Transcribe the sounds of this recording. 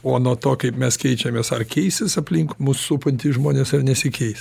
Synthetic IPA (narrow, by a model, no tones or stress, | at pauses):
oːnuɔt̪oːkɐɪpmʲɛskʲɛɪt͡ʃʲɛmʲeːsɐrkʲɛɪsʲɪsɐpʲlʲiŋkmuːsːupɐnʲt̪ʲɪːʒmoːnʲeːsɐrnʲɛsʲɪkʲɛɪsʲ